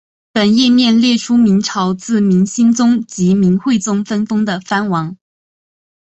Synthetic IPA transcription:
pə˨˩njɛ˥˧mjɛ˥˧nljɛ˥˩ʈ͡ʂʰu˥mi˧˥ŋʈ͡ʂʰɑ˧˥ʊt͡sɹ̩˥˩mi˧˥ŋɕi˥nt͡sʊ˥ŋt͡ɕi˧˥mi˧˥nxwe˥˧ɪt͡sʊ˥ŋfə˥nfɤ˥ŋd̪ə˨fa˥nwɑ˧˥ŋ

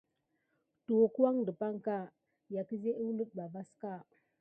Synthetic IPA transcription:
tu˨wu˨ku˦wa˦ŋdə˨pa˦ŋka˦ | ja˨ki˦ze˦ʔi˦wlu˦ɗ̚ba˨va˦ska˦˨

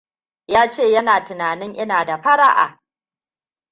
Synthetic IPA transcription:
jaː˦t͡ʃeː˦˨jɐ˦naː˨tʊ˨naː˨nɪ˦ŋʔɪ˦naː˨da˨ɸɐ˦ɽa˦ʔa̰˨

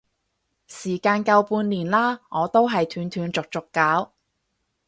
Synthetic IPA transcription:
siː˨˩kaː˧nkɐ˧wpuː˧nliː˨˩nlaː˥ŋɔː˨˧t̪o˥wɦɐ˨jt̪ʰyː˨˧nt̪ʰyː˨˧nt͡sʊ˨k̚t͡sʊ˨kːaː˨˥w

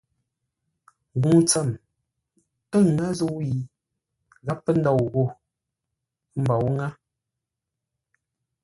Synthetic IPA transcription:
ŋ˨ɡu˨˦t͡sɛ˦˨m | tə˦˨ŋːa˦zo˦wji˨ | ɣa˦pːə˦n˦dɔ˨wɣo˨ | m̩˨ba˨wŋa˦

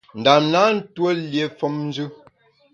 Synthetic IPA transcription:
n̩˨da˨mna˦n̩˦twə˦lje˨fɔ˦mn̩˦d͡ʒʉ˦

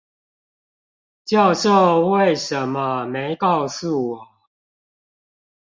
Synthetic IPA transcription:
t͡ɕjɑ˥˨ʊʂo˥˨ʊwe˥˨ɪʂə˨˦nmə˧me˨˦ɪkɑ˥˨ʊsu˥˨˩wɔ˨˩˦

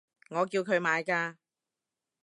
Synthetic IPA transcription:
ŋɔː˨˧kiː˧wkʰɵ˨˧ɥmaː˨˧jkaː˧

